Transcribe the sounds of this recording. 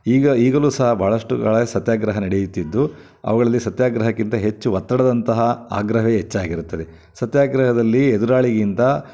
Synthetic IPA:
iːɡɐiːɡɐluːsɐɦɐbʱaːɭɐʂʈuɡa̰ːɭsɐt̪jaːɡɾɐɦɐnɐɽejit̪ːid̪ːu | ɐ̰ʋɐɡɐɭɐlːisɐt̪jaːɡɾɐɦɐkːint̪ɐɦe̞t͡ʃːuʋɐt̪ːɐɽɐd̪ɐnt̪ɐɦɐa̰ːɡɾɐɦeɦet͡ʃːaːɡiɾut̪ːɐd̪e | sɐt̪jaːɡɾɐɦɐd̪ɐlːied̪uɾaːɭiɡint̪ɐ

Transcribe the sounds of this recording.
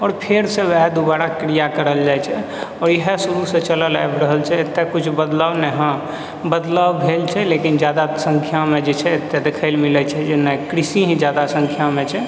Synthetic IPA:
ɔːɾpʰeɾsẽʋɛɦd̪ubaɾakɾijakəɾəld͡ʒajt͡ʃʰɛ | ɔːɾjəɦesuɾusẽt͡ʃələla̰jbɾəɦəlt͡ʃʰɛet̪ːekut͡ʃʰbəd̪lawnɛɦã | bəd̪lawbʱelt͡ʃʰɛlekind͡ʒjad̪asə̃ŋkʰjamẽd͡ʒet͡ʃʰɛet̪ːed̪ekʰəɪlmilət͡ʃʰɛd͡ʒenːakɾisiɦĩd͡ʒjad̪asə̃ŋkʰjamẽt͡ʃʰɛ

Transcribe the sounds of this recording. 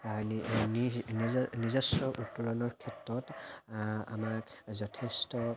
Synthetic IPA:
nnnizɔsɹɔʔutːulɔnɔɹkʰɛtɹɔt | a̰maɹzɔtʰestɔ

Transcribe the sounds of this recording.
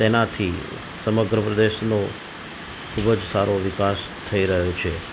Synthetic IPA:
t̪enat̪ʰi | səməɡɾəpɾəd̪eʃnõ | kʰubəd͡ʒsaɾoʋɪkas | t̪ʰəiɾəɦot͡ʃʰe

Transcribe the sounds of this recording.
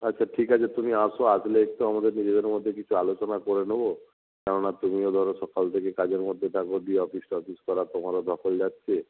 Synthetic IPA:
atːʃʰaʈʰikɦat͡ʃʰet̪umiasoasleekt̪oamad̪eɾnid͡ʒed̪eɾmɔd̪ʱjekit͡ʃʰualot͡ʃɔnakɔɾenobo | kaɽɔɽ̃at̪umiod̪ʱɔɾɔsɔkalt̪ʰekekad͡ʒeɾmɔd̪ʱjet̪ʰakoɖiɔpisʈɔpiskɔɾat̪omaɾɔd̪ʱɔkɔld͡ʒat̪t͡ʃʰe

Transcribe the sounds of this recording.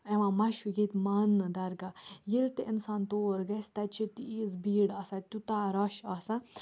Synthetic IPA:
eʋãmɐʃuɡet̪mɐnːɨd̪ɐɾɡajilt̪eʔinsaːnt̪oːɾɡɐsʲt̪ɐt͡ʃʰit̪iizbiːɽɐsat̪ʲut̪aːɾɐʃɐsã

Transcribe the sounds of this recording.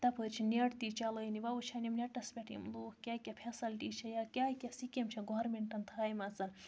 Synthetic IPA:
t̪ɐpʰət͡ʃʰineʈt̪it͡ʃɐləniʋɐut͡ʃʰɐnimnʲɐʈɐspʲeʈʰḭmluːhkʲaːkʲɐpʰesɐlʈit͡ʃʰɐjakʲaːjkʲɐsikʲemt͡ʃʰɐɡoːɾmeɳʈɐnt̪ʰaːjmɐt͡sɐn

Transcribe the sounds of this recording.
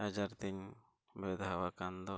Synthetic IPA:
ad͡ʒaɾt̪iɲ | bɛd̪ʱawakand̪ɔ

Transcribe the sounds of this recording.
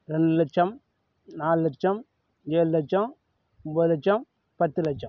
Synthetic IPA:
ɾɛɳɖɯlɐt͡ʃːɐm | naːllt͡ʃːɐm | d͡ʒeːllɐt͡ʃːɐm | ʊmbɐðlɐt͡ʃːɐm | pɐt̪ːɯlɐt͡ʃːɐm

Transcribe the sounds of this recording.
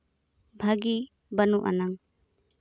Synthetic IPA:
bʱaɡi | bɐnuʔa̰naŋ

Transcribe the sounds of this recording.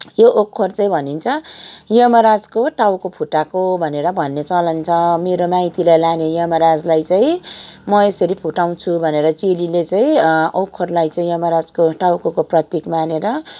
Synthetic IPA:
joʔokʰːort͡saĩbʱʌnint͡sʰʌjʌmʌɾad͡zkoʈawkopʰuʈakobʱʌneɾʌbʱʌnːet͡sʌlʌnt͡sʰʌmeɾomajt̪ilajlanejʌmʌɾad͡zlajt͡saĩmʌesʌɾipʰuʈaw̃t͡sʰubʱʌneɾʌt͡sililet͡saĩokʰːorlajt͡saĩjʌmʌɾad͡zkoʈawkokoprʌt̪jikmaneɾʌ

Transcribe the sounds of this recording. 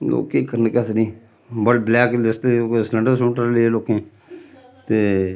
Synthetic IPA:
lo̰ːkeːkəɾnkət̪nĩː | bəʈblɛːklɪslːkːsləɳɖəɾsõːɳʈəɾleloːkẽː | t̪eː

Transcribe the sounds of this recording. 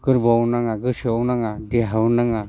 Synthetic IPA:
ɡ̥ɯɾbawnaŋaɡɯsiawnaŋadeɦawnaŋa

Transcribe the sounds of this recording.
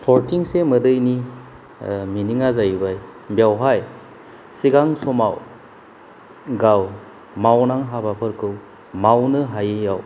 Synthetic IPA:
pʰɔɾtiŋsemɯdɯjni | miniŋazajbajbjawɦaj | siɡaŋsɔmaw | ɡaw | mawnaŋɦabapʰɯɾkʰɯw | mawnɯɦajɯjaw

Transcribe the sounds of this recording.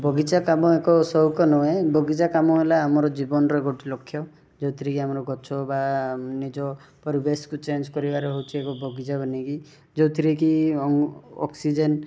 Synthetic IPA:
bʱɔɡit͡ʃakamɔekɔsɔɦukɔnɔebʱɔɡit͡ʃakamɔelaːmɔɾɔd͡ʒibɔnɔɾɔɡoʈilɔkʰːjɔ | d͡ʒowt̪ʰiɾikiamɔɾɔɡʱɔt͡ʃʰɔbanid͡ʒɔpɔɾibeskut͡ʃend͡ʒkɔɾibaɾeɦowt͡ʃʰiekɔbʱɔɡid͡ʒabʱɔniki | d͡ʒowt̪ʰiɾikiɔɔ̰ksid͡ʒen

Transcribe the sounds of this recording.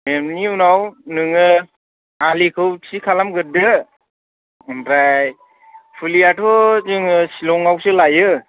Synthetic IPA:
memniunawnɯŋɯ | alikʰɯwsʰikʰalamɡɯdɯ | nɾaj | pʰulijatʰɔzɯŋɯsilɔŋawsɯlajɯ

